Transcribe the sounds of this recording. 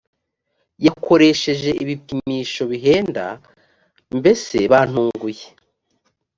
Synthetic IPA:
jako̞ɾe̞ʃe̞ʒe̞iβipimiːʃo̞βiɦe̞ːnda̰ | mbe̞se̞βan̥uːŋɡuje

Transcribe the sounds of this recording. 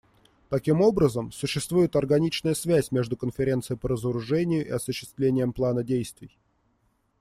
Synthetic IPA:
t̪ɐkʲimo̞bɾəzəmsʊɕːɪst̪vujɪt̪ɐrɡɐnʲit͡ɕnəjəsvʲæsʲmʲe̞ʐd̪ʊkənfʲɪɾʲe̞nt̪sɨjɪpəɾəzəɾʊʐɛnʲɪjʊʔɪ̰ɐsʊɕːɪ̥st̪vlʲenʲɪjəmplˠanədʲejst̪vʲɪj

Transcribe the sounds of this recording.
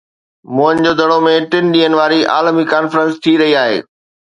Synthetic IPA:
mʊɦə̃nd͡ʑoːd̪ʱɐɽomẽʈɪnɗiːənɪ̆ʋaːɾiʔa̰ːlmikaːnfɾə̃nst̪ʰiɾɐɦiaːɦḛː

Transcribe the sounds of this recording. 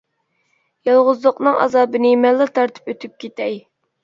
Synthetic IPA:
jɑlˠʁʊzlˠəqnɨŋɑ̰zɑːbɨnɪmɛlːɨt̪ʰɑɾt̪ʰɨ̥pøt̪ʰyp̚kʲʰet̪ʰɛj

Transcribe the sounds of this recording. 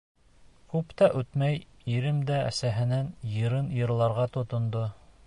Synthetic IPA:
kʉpt̪æʔʉt̪mæjiɾɘmd̪ææ̰sæɦɘ̆nænjɤ̆ɾɤnjɤ̆ɾlˠɑɾʁɑt̪ŏt̪ŏnd̪o

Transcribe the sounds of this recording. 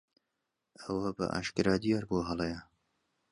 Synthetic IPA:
ɐwɐbɐ̰ʔa̰ːʃkɨɾɑːd̪ijɑːɾboɦɐlˠejɐ

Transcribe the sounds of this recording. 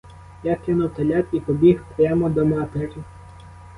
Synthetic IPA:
jakɪnʊwt̪ɐlʲat̪ipɔbʲixpɾʲamɔd̪ɔmat̪ɪrɪ

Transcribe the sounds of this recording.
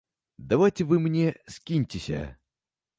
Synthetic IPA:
d̪ɐvajtʲɪvɨmnʲeskʲinʲtʲɪsʲə̰

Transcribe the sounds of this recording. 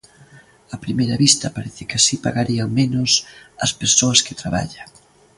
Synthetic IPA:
ɐpɾimejɾɐβist̪ɐpaɾɛθɪkɪasipaɣaɾiaŋmenʊsɐspeɾsoɐskɪt̪ɾaβa̰ʎaŋ

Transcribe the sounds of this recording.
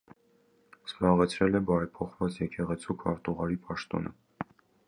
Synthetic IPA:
z̥bɑʁɛt͡sʰɾɛlɛbɑɾɛpʰɔχvɑt͡sjɛkʰɛʁɛt͡sʰukʰɑɾt̪uʁɑɾipʰɑʃt̪ɔ̰nʔə̰

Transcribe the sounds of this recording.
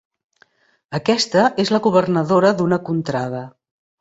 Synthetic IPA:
əkɛst̪əezləɣuβ̞ərnəðoɾəðunəkunt̪ɾaðə

